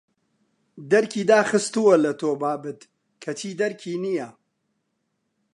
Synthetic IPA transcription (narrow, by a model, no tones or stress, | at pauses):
d̪ɐɾkʰiːd̪aːxɨst̪uwɐlɐt̪oːbaːbɨt̪ | kʰɐt͡ʃʰiːd̪ɐɾkʰiːnijɐ